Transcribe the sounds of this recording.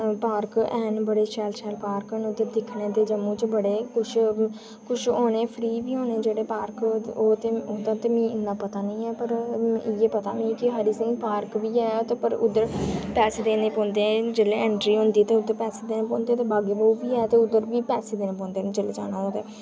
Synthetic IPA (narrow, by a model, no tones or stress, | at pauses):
paːɾkɛːnbəɽeːʃɛːlʃɛːlpaːɾkənʊd̪ed̪ɪkʰneːt̪eːd͡ʒəmũːt͡ʃbəɽeːkʊt͡ʃʰ | kʊt͡ʃʰoːɽ̃eːpʰɾiːʋiːoːneːd͡ʒeːɽeːpaːɾkoːt̪eːõːd̪aːt̪eːmĩːɪnːaːpət̪aːnəĩːɛːpəɾɪjeːpət̪a̰ːmĩːkɪɦəɾiːsɪ̃npaːɾkʋiːɛːt̪epəɾʊd̪əɾpɛːseːd̪eːnẽːpɔ̃ːnd̪eːd͡ʒeːleːɛ̃ːɳʈɾiːɦʊ̃nd̪iːt̪eːʊd̪ːəɾpɛːseːd̪eːnẽːpɔ̃ːnd̪eːt̪eːbaːɡeːbəuʋiːɛːt̪eːʊd̪əɾʋiːpɛːseːd̪eːnẽːpɔ̃ːnd̪eːnt͡ʃəleːd͡ʒa̰ːñaːɦõːd̪eː